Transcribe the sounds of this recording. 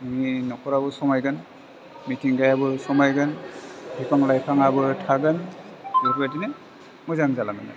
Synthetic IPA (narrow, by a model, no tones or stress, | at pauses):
nɯŋinɔkʰɔɾabɯsɔmajɡɯn | mitʰiŋɡajabɯsɔmajɡɯnbipaŋlajpʰaŋabɯtʰaɡɯn | bipʰatinen | mɔjzaŋzalaŋɯ̰na̰